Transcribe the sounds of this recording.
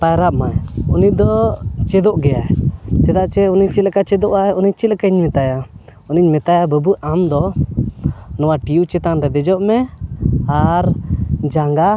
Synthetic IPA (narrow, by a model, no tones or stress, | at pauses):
pajɾaʔmajunid̪ɔt͡ʃɛd̪ɔʔɡɛjaɛsɛd̪aʔt͡ʃɛuniɲt͡ʃit̪lkat͡ʃɛd̪ɔʔaɛuniɲt͡ʃit̪lkaiɲmɛt̪aja | uniɲmɛt̪ajabəbuʔamd̪ɔ | nɔwaʈiut͡ʃɛt̪anɾɛd̪ɛd͡ʒɔʔmɛ | aɾd͡ʒaŋɡa